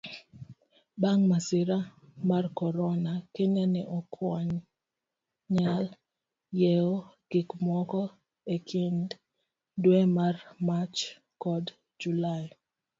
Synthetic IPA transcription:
baŋmasɪɾamarkɔɾɔnakeɲanɛʔɔkʰwɔɲ | ɲal | jɛoɡ̥ɪkmwɔkɔ | ekʰind | dwɛmarmat͡ʃ | kɔd | d͡ʒulaj

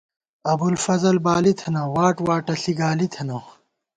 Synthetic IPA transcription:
ɐbulfɐzɐlbaːlit̪ʰɐnɐwaːʈwaːʈɐɬiɡaːlit̪ʰɐnɐw

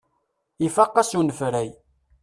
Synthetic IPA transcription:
ifɑqːɑsunəfɾæj

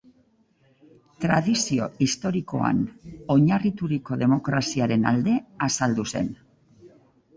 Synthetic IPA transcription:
t̪ɾaðisio̞̰ist̪o̞ɾiko̞̰a̰no̞ɲarit̪uɾiko̞ðe̞mo̞kɾasiaɾe̞nald̪e̞asald̪use̞̰n

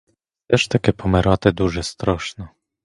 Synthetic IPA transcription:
ɛʂt̪akʲɛpʰɔmɛɾat̪ɛd̪uʐɛst̪ɾɔʂnɔ

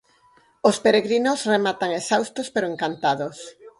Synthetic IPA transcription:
ospeɾeɣɾinosremat̪aŋesawst̪ospeɾoeŋkant̪aðos

